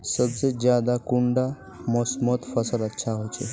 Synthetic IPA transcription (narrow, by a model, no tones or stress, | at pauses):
səbd͡zed͡ʑjad̪akuɳɖa | mɔsmət̪fəsələtːɕʰaɦot͡ʃe